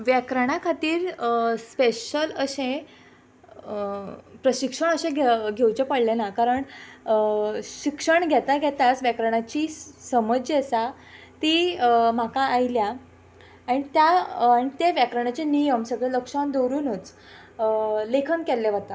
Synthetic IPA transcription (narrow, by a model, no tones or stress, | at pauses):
ʋjɛkɾəɽ̃akʰat̪iːɾspeɕələɕẽ | pɾəɕikʂəɳ̃əɕẽɡʱɡʱewt͡ɕepəɽlenakaɾəɳ | ɕikʂəɳɡʱɛt̪aɡʱɛt̪asʋjɛkɾəɽ̃at͡ɕiːsəməd͡ʑesa | t̪im̤akaːjlja | aɽ̃it̪jaːɽ̃it̪eʋjɛkɾəɳ̃at͡ɕenijəmsəɡɭeləkʂand̪oɾuːnut͡s | lekʰənkɛlːeʋat̪a